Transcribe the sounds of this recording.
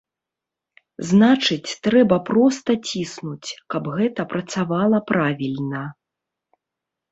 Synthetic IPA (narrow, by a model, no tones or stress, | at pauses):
znat͡ʂɨt͡sʲt̪ɾɛbɐpɾɔst̪ɐt͡sʲisnut͡sʲkɐbɣɛt̪ɐpɾɐt̪savalˠɐpɾʔavʲilʲnɐ